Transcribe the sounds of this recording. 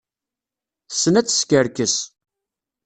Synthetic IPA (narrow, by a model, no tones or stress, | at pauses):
θsːənæt͡sːə̥skəɾkəs